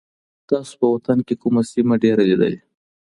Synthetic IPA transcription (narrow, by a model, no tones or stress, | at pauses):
t̪ɑso̥pəwat̪ankekumasimaɖeɾalid̪ə̰le